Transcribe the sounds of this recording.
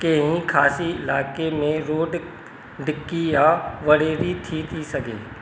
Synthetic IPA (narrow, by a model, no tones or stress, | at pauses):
keɦĩkʰaːsiɪ̰laːkemẽɾoːɖ | ɖɪkːijaʋɐɽeːɾit̪ʰit̪ʰisɐkḛː